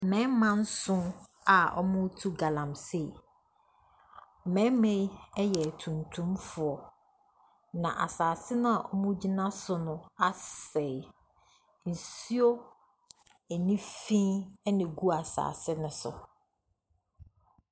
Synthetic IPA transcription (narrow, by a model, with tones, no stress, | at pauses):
mɛ̃˨˦mã˦n̩˦sʊ̃˦ | a˨ɔ̰˦mʊ̃˦tʰu˦ɡa˨lã˨mse˨ | mɛ̃˨˦mẽ˦ɛ˦jɛ˨tʰũ˨ntʰũ˦mfʊ˨ɔ˨ | nã˨ʔa˨saː˨sɪ˦nʊ̃˦a˨ʔɔ˦mʊ̃˦d͡ʑi˦nã˦sʊ˨˦nʊ̃˦a˦sɛ˨ | n̩˨si˦o˦ | æ˨nĩ˦fĩ˦nɪ̃˨ɡu˦a˨sa̰ː˨sɪ˦nʊ̃˨sʊ̰˨